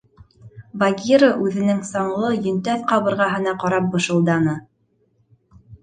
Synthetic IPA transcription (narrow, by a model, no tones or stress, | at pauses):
vaɡʲiɾəʔʉðɘ̆nɘŋsɑɴlˠɤjɵ̆nt̪æθqɑβɤ̆ɾʁɑɦɤ̆nɑqɑɾɑp̚bɤ̆ʃɤ̆lˠd̪ɑnɤ